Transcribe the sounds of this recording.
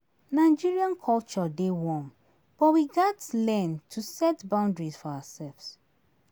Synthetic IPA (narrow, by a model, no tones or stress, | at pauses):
naɪd͡ʒiɹiãnkʰɔlt͡ʃɔdewɔ̃m | b̥ɔtwiɡatlɛ̃ntʰusɛtbãʊ̃ndɹisfɔawasɛlvs